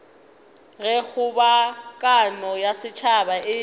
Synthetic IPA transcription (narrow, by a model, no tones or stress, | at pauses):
ɣɛɣʊbakʼanɔjasɪt͡ʃʰabaʔɪ